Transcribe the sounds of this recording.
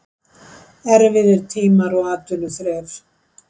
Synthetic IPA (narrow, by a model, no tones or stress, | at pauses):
ɛɾvɪðɪɾ̥t̪ʰiːmaɾɔɣaːt̪ʏnʏθɾɛːɾ̥